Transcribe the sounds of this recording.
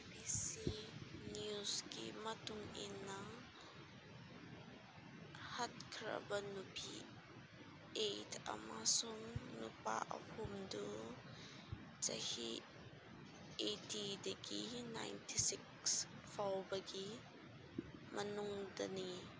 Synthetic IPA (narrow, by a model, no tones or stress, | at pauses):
bisinjuzkimɐt̪uŋinːa | hɐt̚kʰɾɐ̰bɐnupḭ | ʔejtʰa̰masuŋnupa̰ʔɐ̰pʰumdu | t͡sɐ̰hi | etidekina̰jntisik | s | fawbɐki | mɐnʊŋdɐni